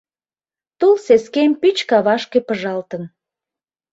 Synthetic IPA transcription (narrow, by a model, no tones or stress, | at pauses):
t̪ulseskempyt͡ɕkɑβɑʃkepəʒɑlt̪ən